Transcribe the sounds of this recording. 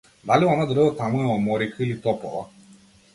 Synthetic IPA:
d̪aliɔnad̪ɾət̪amuɛɔmɔɾikʰəilit̪ɔpɔʋa

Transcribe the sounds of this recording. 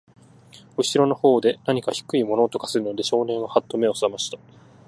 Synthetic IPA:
ɯ̟ɕiɾo̞no̞ho̞ːd̪e̞naɲ̟ikaçi̥kɯ̟imo̞no̞t̪o̞kḁsɨɾɯ̟no̞d̪e̞ɕo̞ːnẽ̞ɰ̃βahat̪ːo̞me̞o̞samaɕi̥t̪ḁ

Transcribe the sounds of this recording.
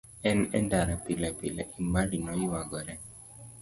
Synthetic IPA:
ɛnɛ̰ndaɾapilapila̰ʔimbaɾinɔjiwaɡɔɾɛ

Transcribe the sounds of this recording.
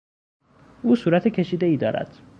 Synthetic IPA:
ʔuːsuːɾæt̪ʰecʲʰe̞ʃiːd̪e̞iːd̪ɒːɾæ̰d̪̥

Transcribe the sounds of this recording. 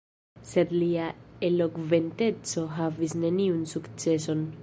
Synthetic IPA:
se̞dliaelokve̞nte̞t͡so̞ɦavisne̞niunsukt͡se̞so̞n

